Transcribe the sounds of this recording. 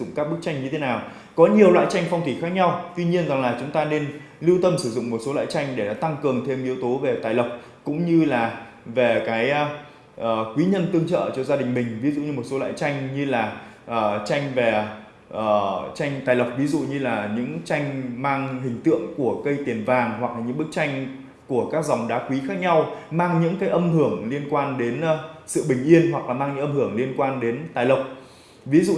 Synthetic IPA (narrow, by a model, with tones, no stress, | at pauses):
ʊ̰˧˨ŋ͡mkaː˦˥k̚ɓɨ˦˥k̚t͡ɕa˧jŋ̟ɲɨ˧t̪ʰe˨˦naː˨˩w | kɔ˨˦ɲi˨˩əwlwa̰ː˧˨jt͡ɕa˧jŋ̟fa˧wŋ͡mt̪ʰi˧˩xaː˦˥k̚ɲa˧wt̪wi˧ɲi˧ənza˨˩ŋlaː˨˩t͡ɕʊ˨˦ŋ͡mt̪aː˧ne˧n | li˧wt̪ə˧msɨ˧˩zʊ̰˧˨ŋ͡mmo˨˩t̚so˨˦la̰ː˧˨jt͡ɕa˧jŋ̟ɗe˧˩na̰˨˦t̪a˧ŋkɨ˨˩əŋt̪ʰe˧mʔi˨˦əwt̪o˨˦ve˨˩t̪aː˨˩jlə˨˩wk͡p̚ | kʊ̰˧˥ŋ͡mɲɨ˧laː˨˩ | ve˨˩kaː˨˦j | ʔəː˨˩kwi˨˦ɲə˧nt̪ɨ˧əŋt͡ɕə̰ː˧˨t͡ɕɔ˧zaː˧ɗï˨˩ŋ̟mï˨˩ŋ̟vi˨˦zṵ˧˨ɲɨ˧mo˨˩t̚so˨˦wa̰ː˧˨jt͡ɕa˧jŋ̟ɲɨ˧laː˨˩ʔəː˨˩t͡ɕa˧jŋ̟vɛ˨˩ | ʔəː˨˩t͡ɕa˧jŋ̟t̪aː˨˩jlə˨˩wk͡p̚vi˨˦zṵ˧˨ɲɨ˧laː˨˩ɲɨ̰˧˥ŋt͡ɕa˧jŋ̟maː˧ŋɦï˨˩ŋ̟t̪ɨ̰˧˨əŋku˧˩əkə˧jt̪i˨˩ənvaː˨˩ŋɦwa˨˩k̚laː˨˩ɲɨ̰˧˥ŋɓɨ˦˥k̚t͡ɕa˧jŋ̟ | ku˧˩əkaː˦˥k̚za˨˩wŋ͡mɗaː˨˦kwi˨˦xaː˦˥k̚ɲa˧wmaː˧ŋɲɨ̰˧˥ŋkaː˨˦jʔə˧mhɨ˧˩əŋli˧ənkwaː˧nɗe˨˦n˧sɨ̰˧˨ɓï˨˩ŋ̟ʔi˧ənhwa˨˩k̚laː˨˩maː˧ŋɲɨ̰˧˥ʔə˧mhɨ˧˩əŋli˧ənkwaː˧nɗe˨˦nt̪aː˨˩jlə˨˩wk͡p̚ | vi˨˦zṵ˧˨